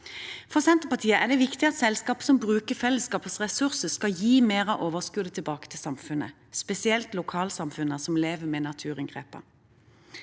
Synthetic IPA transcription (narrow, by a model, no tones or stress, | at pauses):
fɔʁsɛnt̪əpɑt̪ʰiːəʔæʁd̪ɛʋɪkt̪ɪɑt̪sɛlskɑːpə̥sɔmbʁʉːkəfɛlːəskɑːpəsʁɛsʉʁsəskɑjiːmeːʁɑʔoːʋəʁskʉːd̪ət̪ʰɪlbɑːkə̥t̪ʰɪlsɑmfʉnə̰ | spɛsɪɛlt̪lʊkʰɑːlsɑmfʉnəsɔmleːʋəmɛnɑt̪ʰʉːʁɪŋɡʁeːpə̰